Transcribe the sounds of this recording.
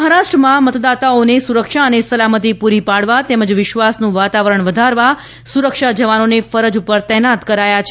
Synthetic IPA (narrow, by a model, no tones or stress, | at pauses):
əɦaɾaʃʈɾəmãmət̪d̪at̪aonesuɾəkʃaənesəlamət̪ipuɾipaɽʋat̪ɛməd͡ʒʋɪʃʋasnũʋat̪aʋəɾəɳ̃ʋəd̪ʱaɾʋa | suɾəkʃad͡ʒəʋanonefəɾəd͡ʒupəɾt̪ɛɦnat̪kəɾajat͡ʃʰ